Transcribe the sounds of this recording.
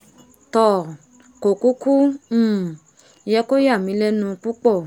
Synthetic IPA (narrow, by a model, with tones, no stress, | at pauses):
tɔ˦˨ | ko˨ku˦ku˦m̩˦˨˦ | jɛ˧ko˦ja˦˨mĩ˧˦lɛ˦nũ˧k͡pu˦k͡pɔ˦˨